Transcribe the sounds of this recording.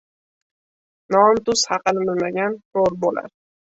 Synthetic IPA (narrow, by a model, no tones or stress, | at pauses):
nɒmt̪ʊshɑqɨlɪbɪlmaɡʲanɾoɾbola̰ɾ